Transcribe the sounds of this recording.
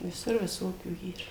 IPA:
ʋʲɪˈsʊr ʋʲɪˈsoːkʲuː ˈiːr

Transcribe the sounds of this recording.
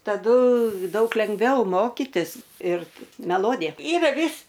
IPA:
tɐˈdʊ ˈdɐʊk lʲɛŋɡˈʋʲɛʊ ˈmoːkʲɪtʲɪs ɪr mʲɛˈlˠoːdʲɪjɛ ˈiːrɐ ˈʋʲɪs

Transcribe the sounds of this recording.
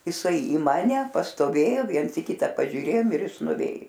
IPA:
jɪˈsɐɪ iː ˈmɑːnʲɛ pɐstoːˈʋʲeːjoː ˈʋʲiɛns ɪ ˈkʲɪtɐ ˈpɑːʒʲuːˈrʲeːjoːm ɪr ˈjɪs nʊˈʋʲeːj

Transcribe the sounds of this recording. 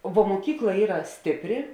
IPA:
ʋuɔ muɔˈkʲiːklˠɐ ˈiːrɐ ˈsʲtʲɪpʲˌrʲɪ

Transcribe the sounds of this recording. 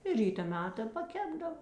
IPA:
ɪ ˈrʲiːtɐ ˈmʲæːtɐ pɐˈkʲæːbdɐʋɐ

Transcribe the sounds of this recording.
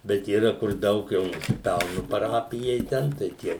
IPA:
ˈbʲɛt iːˈrɐ kʊr ˈdɐʊk jɛʊ nʊsʲɪˈpʲɛlˠnʊ pɐˈrɑːpʲɪjɛɪ ˈtʲɛn tɐɪ ˈtʲiɛ

